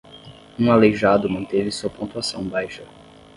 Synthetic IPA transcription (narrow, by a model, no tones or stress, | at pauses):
ũaleʒad̪ʊmɐ̃nt̪evɪsuɐpõt̪uasɐ̃w̃bajʃɐ